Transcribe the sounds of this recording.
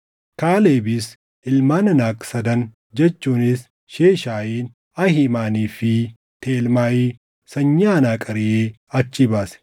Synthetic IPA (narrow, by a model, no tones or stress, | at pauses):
kaːleːbɪs | ʔɪlmaːnɐnaːkʼsɐd̪ɐn | d͡ʒɛt͡ʃːuːnɪs | ʃeːʃaːjiːn | ɐhɪmaːniːfɪ | t̪eːlmaːjiː | sɐɲːaːnaːkʼɐɾɪjeː | ɐt͡ʃːɪbaːsɛ̥